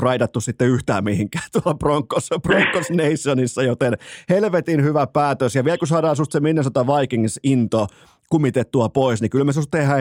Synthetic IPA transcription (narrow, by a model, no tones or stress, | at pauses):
rɑit̪ɑt̪ːussit̪ːeyht̪æ̰ːmmihiŋkæːt̪uɑlproŋkːosproŋkːosneisːonisːɑjot̪enhelʋet̪inhyʋæpæːt̪øsjɑʋiɛlkusɑːɾɑːnsmust̪seminːest̪ŏt̪ɑʋɑikiŋsint̪o | kumːit̪et̪ːuɑpoisnikylmesmust̪ehæː